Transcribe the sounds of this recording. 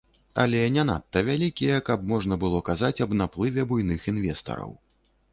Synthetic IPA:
ɐ̰lʲɛnʲana̰t̪ːɐvʲalʲikʲijɛkɐp̚mɔʐn̪ɐbɨlˠɔkazat͡sʲɐbnaplˠɨvʲɛbujn̪ɨxinvʲɛst̪ɐ̰ɾɐ̰w

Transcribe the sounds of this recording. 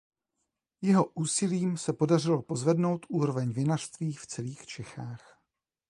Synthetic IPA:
jɛɦo̞ʔuːsɪliːmsɛpo̞dar̝ɪlo̞po̞zvɛdno̞wt̪ʔuːɾo̞vɛɲvɪnar̝̥st̪viːft͡sɛliːxt͡ʃɛxaːx

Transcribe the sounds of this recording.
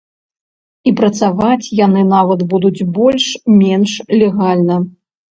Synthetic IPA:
ipɾɐt̪savat͡sʲjanɨnavɐt̪bud̪ud͡zʲbɔlʲʂmʲɛnʂlʲɛɣalʲnɐ

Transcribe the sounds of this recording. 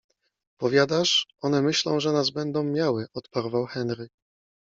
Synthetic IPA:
pɔvʲjad̪aʂʔɔnɛmɘɕlɔ̰̃w̃ʐɛnazbɛnd̪ɔ̃w̃mʲjawɘʔɔt̪paɾvawxɛnɾɘk

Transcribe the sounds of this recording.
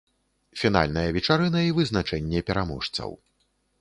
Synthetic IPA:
fʲin̪a̰lʲnɐjɐvʲɛt͡ʂaɾɨnɐivɨznat͡ʂɛnʲːɛpʲɛɾamɔʂt̪sɐ̰w

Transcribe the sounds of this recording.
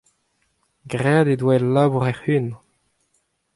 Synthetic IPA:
ɡʁɛd̪ed̪wɛlːaːbuʁɛʁhyn

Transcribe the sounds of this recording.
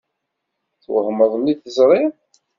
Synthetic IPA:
θwə̰hməðˤəmiθəzɾˤɪ

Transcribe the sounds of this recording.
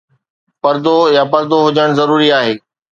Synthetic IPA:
pɐɾd̪ojapɐɾd̪oɦʊd͡ʑəɽ̃zɐɾuːɾiaːɦeː

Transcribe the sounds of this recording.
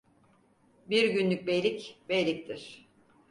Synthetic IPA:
biɾɟynlʲyc̚bejlʲicbejlʲic̚t̪ʰiɾ̥

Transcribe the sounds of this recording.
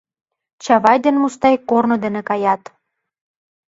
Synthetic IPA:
t͡ɕɑβɑjd̪enmust̪ɑjkːornod̪ĕnĕkɑjɑt̪

